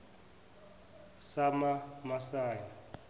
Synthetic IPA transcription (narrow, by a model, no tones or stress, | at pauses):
samamasaːja